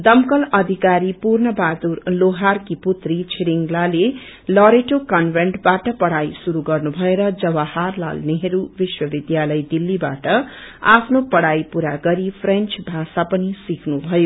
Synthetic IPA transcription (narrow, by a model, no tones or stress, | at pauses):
d̪ʌmkʌlʌd̪ʱikaɾipurnʌbad̪urloɦarkiput̪rit͡sʰiɾiŋɡlale | lʌɾeʈokʌnbʱeɳʈbaʈʌpʌɽajsuɾuɡʌrnubʱʌeɾʌd͡zʌwaharla̰lneɦʌɾubiswʌbid̪jalʌjd̪ilːiba̰ʈʌa̰pʰnopʌɽajpuɾaɡʌɾipʰrent͡sbʱasapʌnisikʰnubʱʌjo